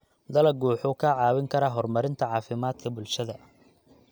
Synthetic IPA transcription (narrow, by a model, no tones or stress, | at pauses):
d̪ɐlɐɡuːħʊkʰɐʕɑːwɪŋkʰɐɾɐɦɔrmɐɾɪnt̪ʰɐʕɑːfɪmaːd̪kʰɐbʊlʃɐðɐ